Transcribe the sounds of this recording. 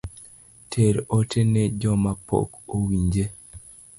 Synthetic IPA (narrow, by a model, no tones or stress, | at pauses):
tʰeɾotʰened͡ʒɔmapo̰kowiɲd͡ʒe